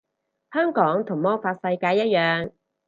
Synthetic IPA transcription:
hœː˥ŋkɔː˨˥ŋt̪ʰʊ˨˩ŋmɔː˥ŋfaː˧t̚sɐ˧jkaː˧jːɐ˥t̚jœː˨ŋ

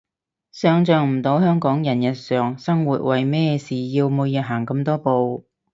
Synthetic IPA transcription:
sœː˨˧ŋt͡sœː˨˧ŋm̩˨˩t̪o˨˧˥whœː˥ŋkɔː˨˥ŋjɐ˨˩njɐ˨˩t̚sœː˨ŋsɐ˥ŋwuː˨t̚wɐ˨jmɛː˥siː˨jiː˧wmo˨˧jɐ˨˧ɦaː˨˩ŋkɐ˧mt̪ɔː˥po˧w

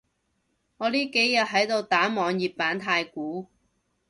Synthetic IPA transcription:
ŋɔː˨˧liː˥ke˨˥jːɐ˨t̚ɦɐ˨˥jt̪o˧wt̪aː˨˥mɔː˨˧ŋjiː˨˩p̚paː˨˥nt̪ʰaː˧jkuː˨˥

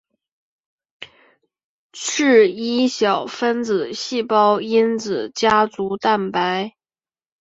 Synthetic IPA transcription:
ʈ͡ʂ̩ʰ˥˩i˥ɕjɑ˨˩ʊfə˥nt͡sɹ̩˨˩ɕi˥˩pɑ˥ʊi˥nt͡sɹ̩˨˩t͡ɕja˥t͡su˧˥t̪a˥˩npa˧˥ɪ

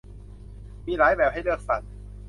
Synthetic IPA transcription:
miː˧laː˨˦jbɛː˨˩wɦa˥˩jlɯ˥˩ək̚sa̰˨˩t̪̚

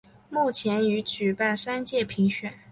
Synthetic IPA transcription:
mu˥˩t͡ɕʰjɛ˧˥ny˧˥t͡ɕy˨˩pa˥˩nʂa˥nt͡ɕjɛ˥˩pʰi˧˥ŋɕɥɛ˨˩˦n

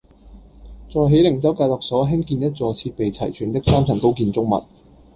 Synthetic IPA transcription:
t͡sɔː˨jɦe˨˥jlɪ˨˩ŋt͡sɐ˥wkaː˧jlɔː˨k̚sɔː˨˥ɦɪ˥ŋkiː˧njɐ˥t̚t͡sɔː˨t͡sʰiː˧t̚pe˨jt͡sʰɐ̰˨˩jt͡ʃʰyː˨˩nt̪ɪ˥k̚saː˥mt͡sʰɐ˨˩ŋko˥wkiː˨˧nt͡sʊ˥ŋ̚mɐ̰˨˩t̚

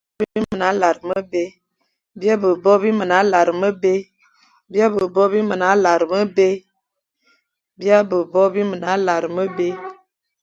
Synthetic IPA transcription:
bi˦bi˦mə˨na˨˦la˨ɾmə˦be˦ | bi˦a˦bə˨bɔ˦bi˦mə˨na˨˦la˨ɾə˨mə˦be˦ | bi˦a˦bə˨bɔ˦bi˦mə˨na˨˦la˨ɾə˨mə˦be˦ | bi˦a˦bə˨bɔ˦bi˦mə˨na˨˦la˨ɾə˨mə˦be˦

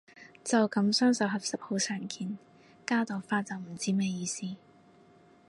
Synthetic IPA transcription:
t͡sɐ˨wkɐ˨˥msœː˥ŋsɐ˨wɦɐ˨p̚sɐ˨p̚ho˨˧wsœː˨˩ŋkʰiː˨n | kaː˥t̪ɔː˨˩faː˥t͡sɐ˨wm̩˨˩t͡siː˥mɛː˥jiː˨˧siː˥

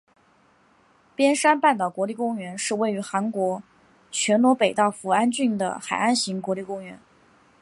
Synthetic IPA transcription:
pjɛ˥nʂa˥npa˥˩nt̪ɑ˨˩kwɔ˧˥li˥˩kʊ˥ŋɥɛ˧˥nʂɻ̩˥˧we˥˩ɪy˧˥xa˧˥nkwɔ˧˥ | t͡ɕʰɥɛ˧˥nnwɔ˧˥pe˨˩ɪt̪ɑ˥˩ʊfu˨˩a˥nt͡ɕy˥˩nd̪ə̰˩xa˨˩ɪa˥˩nɕi˧˥ŋkwɔ˧˥li˥˩kʊ˥ŋɥɛ̰˧˥n

